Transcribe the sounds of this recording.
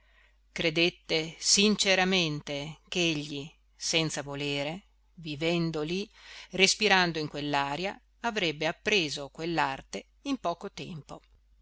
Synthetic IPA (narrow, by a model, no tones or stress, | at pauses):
kɾed̪et̪ːesint͡ʃeɾament̪ekeeʎːi | sɛnt̪savoleːɾe | vivɛnd̪olirespiɾand̪oiŋkwelːaːɾja | avɾɛbːeapːɾeːzokwelːart̪e | impɔːkot̪ɛ̰mpo